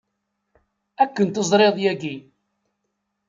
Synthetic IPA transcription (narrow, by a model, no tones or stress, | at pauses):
ækːənt̪əzˤɾˤeðˤjæɡi